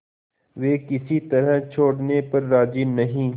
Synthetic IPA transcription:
ʋeːkɪsit̪ɐɾət͡ʃʰoːɽnepɐɾːaːd͡ʒinɐɦĩː

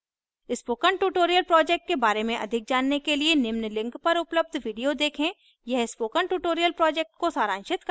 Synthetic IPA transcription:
ɪspoːkəɳʈuːʈoːɾijəlpɾɔːd͡ʒɛk̚ʈ̚kebaːɾemẽʔɐ̰d̪ʱɪk̚d͡ʒaːnːekelienɪmnlɪ̃ŋkpɐɾʊpləb̚d̪ʱʋiːɖijod̪eːkʰẽ | jɛɦɪspoːkə̃ɳʈuːʈoːɾijəlpɾɔːd͡ʒɛːk̚ʈ̚kosaːɾãːnʃɪt̪k

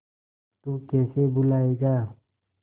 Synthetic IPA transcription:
t̪uːkɛːsebʊlaːeɡaː

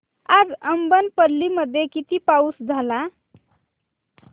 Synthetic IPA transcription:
ad͡zəmbənpəɾliməd̪ʱjekit̪ipausd͡zʱəla

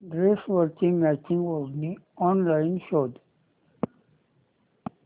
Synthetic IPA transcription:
ɖɾesʋəɾkɪ̃ŋmæt͡ʃɪ̃ŋɡʋɔzniɔ̃ːnlaɪnʃoːd

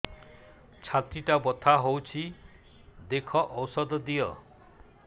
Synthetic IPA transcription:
t͡ʃʰat̪ɾiʈabɔt̪ʰaɦowt͡ʃʰi | d̪ekʰɔʔɔwsɔd̪ɔd̪ijɔ̰

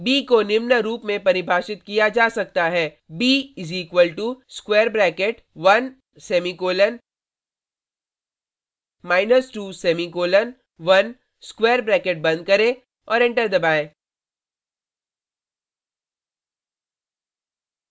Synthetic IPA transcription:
biːkonɪmnəɾuːpmẽpɐɾɪbʱaːʃɪt̪kijad͡ʒaːsɐk̚t̪aɦɛː | biːɪziːkwəlʈuskweːɾbɾɛːkeʈ | ʋɐn | seːmikoːlən | maːɪnəsʈuːseːmikoːlən | ʋɐn | skweːɾbɾɛːkeʈ̚bɐ̃nd̪̚kɐɾẽ | ɔːɾɪ̃ɳʈəɾd̪ɐbaːẽː

